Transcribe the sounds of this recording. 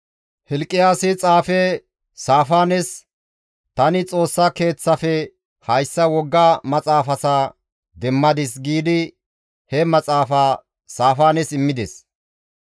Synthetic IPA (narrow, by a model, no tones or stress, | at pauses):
hɪlkʼːɪjaːsɪt͡sʼaːfɛ | saːfaːnɛs | t̪ɐnɪt͡sʼo̞ːsːɐke̞ːt͡sːɐfɛ | hɐjsːɐwɔɡːamɐt͡sʼaːfɐsa | d̪ɛmːɐd̪ɪsɡiːd̪ɪ | hɛmɐt͡sʼaːfaː | saːfaːnɛsɪmːɪd̪ɛs